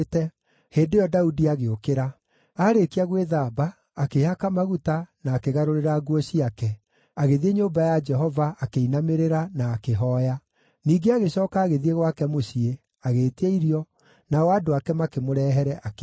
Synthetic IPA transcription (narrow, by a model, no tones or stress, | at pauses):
tɛ | heːndejɔdaudiaɣeokeɾa | aːɾekiaɣweðaːbaː | kehakamaɣutanaːkeɣaɾoɾeɾaɡuɔɕiakɛ | aɣeðieɲoːmbajad͡ʒɛɦɔvaʔakeinameɾeɾanaːkeɦɔːja | niːɡeaɣeɕɔːkaːɣeðieɣwakɛmosie | aɣeːteeiɾiɔ | naɔaːdoakɛmakemoɾɛːɦɛɾɛʔak